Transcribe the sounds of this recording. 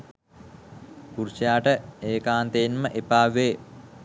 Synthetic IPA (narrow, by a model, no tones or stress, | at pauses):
kuɾsjaːʈəeːkaːnt̪eːnməʔepaːʋeː